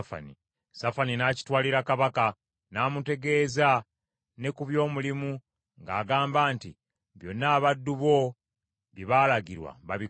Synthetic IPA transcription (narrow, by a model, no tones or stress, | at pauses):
fa̰ni | safaninaːci̥twaːliɾakaβaka | naːmute̞ɡe̞ːza | ne̞kuβjo̞ːmulimu | ŋɡa̰ːɡaːmbaːnti | βjo̞nːaːβadːuβo̞ | βiβaːlaɡiɾwa̰βaβi